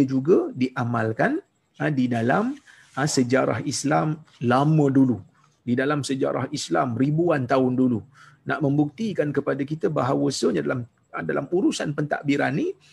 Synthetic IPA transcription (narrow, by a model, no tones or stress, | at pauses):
əd͡ʒuɡədiʔamalkan | ədidalam | əsəd͡ʒaɾa̰hislamlamə̃dulu | didalamsəd͡ʒa̰ɾa̰hislamribuant̪aʊndulu | naʔməmbuk̚t̪ikankəpadakit̪əbaɦawəsəɲadalam | ədala̰muɾusanpənt̪a̰ʔbiɾanːi